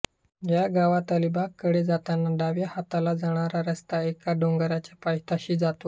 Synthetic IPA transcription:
jjaɡaʋat̪alibakːəɽed͡zat̪anːaɖaʋjahat̪alad͡zəɽ̃aɾaɾəst̪aekaɖoŋɡɾat͡ɕjapajt̪ʰaɕiːd͡zat̪o

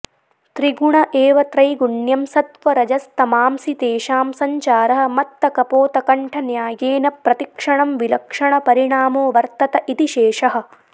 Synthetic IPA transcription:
t̪ɾiɡuɳɐʔeːʋɐt̪ɾɐjɡuɳjɐmsɐt̪ʋɐɾɐd͡ʒɐst̪ɐmaːmsit̪eːʃaːmsɐɲt͡ʃaːɾɐɦɐ̆mɐt̪ːɐkɐpoːt̪ɐkɐɳʈʰɐnjaːjeːnɐpɾɐt̪ikʂɐɳɐmʋilɐkʂɐɳɐpɐɾiɳaːmoːʋɐɾt̪ɐt̪ɐʔit̪iʃeːʂɐɦɐ̆

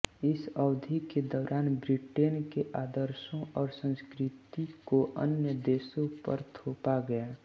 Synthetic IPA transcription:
ɪsəʊd̪ʱiked̪ɔːɾʔaːnbɾɪʈeːnkeʔaːd̪əɾʃõɔːɾsə̃nskɾɪt̪ikoʔə̰njəd̪eːsõpəɾt̪ʰoːpaɡəjaː

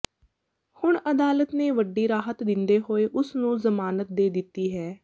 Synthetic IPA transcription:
hʊɳəd̪aːlət̪neːʋəɖːiːɾaːɦət̪d̪ɪnd̪eːɦoːeːʔʊsnũːzəmaːnət̪̚d̪eːd̪ɪt̪ːiːɦɛː

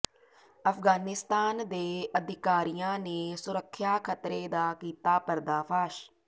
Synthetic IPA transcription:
əpʰɡaːnɪst̪aːnd̪eːəd̪ʱɪkaːɾijãːneːsʊɾəkʰːjaːkʰət̪ɾeːd̪aːkiːt̪aːpəɾd̪aːpʰaːʃ

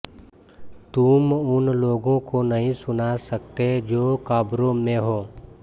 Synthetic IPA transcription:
t̪umʊnloːɡõkonɐɦĩsʊnasɐkt̪ed͡ʒoːkaːbɾõmẽɦoː

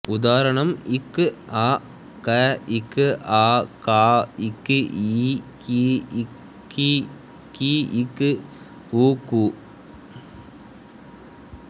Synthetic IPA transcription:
ʊd̪aːɾɐɳɐmɪkːʔaː | kɐɪkːɨʔaːkaːɪkːiki | ki | kiɪkːɨ | uːkuː

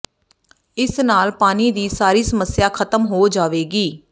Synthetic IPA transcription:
ɪsnaːlpaːniːd̪iːsaːɾiːsəməsɪjaːkʰət̪əmɦoːd͡ʒaːʋeːɡiː

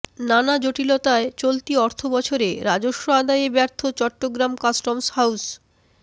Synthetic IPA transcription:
nanad͡ʑoʈilot̪aet͡ɕolt̪iɔɾt̪ʰobɔt͡ɕʰoɾeɾad͡ʑoʃːoad̪ajebɛɾt̪ʰot͡ɕɔʈːoɡɾamkasʈomshaws

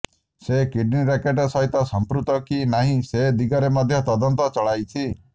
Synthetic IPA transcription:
sekiɖniɾekeʈɔsɔɦit̪ɔsɔmpɾut̪ɔkinaɦĩsed̪iɡɔɾemɔd̪ʱjɔt̪ɔd̪ɔnt̪ɔt͡ʃɔɭajt͡ʃʰi

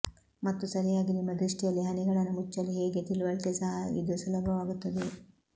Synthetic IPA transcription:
mɐt̪ːusɐɾijaːɡinimːɐd̪ɾiʂʈijɐlːiɦɐnɛɡɐɭɐnːumut͡ʃːɐlːiɦeːɡe̞t̪iluʋɐɭk̪esɐɦɐḭd̪usulɐbʱɐʋaːɡut̪ːɐd̪e̞

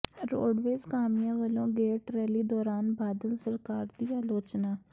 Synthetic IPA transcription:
ɾo̰ːɖʋeːzkaːmɪjãːʋəlõːɡeːʈɾɛːliːd̪ɔːɾaːnbaːd̪əlsəɾkaːɾd̪iːaːloːt͡ʃnaː

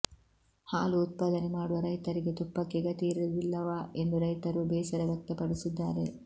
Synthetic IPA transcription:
haːluːt̪̚pɐd̪ɐnemaːɽuʋɐɾɐjt̪ɐɾiɡet̪upːɐkːiɡɐt̪iːɾuʋilːɐʋaːe̞nd̪uɾɐjt̪ɐɾubɛːsɐɾɐʋjɐk̚t̪ɐpɐɽisud̪ːaːɾe̞

